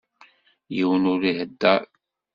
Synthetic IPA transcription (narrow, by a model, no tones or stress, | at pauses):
jiwənʊɾihəd̪ːæ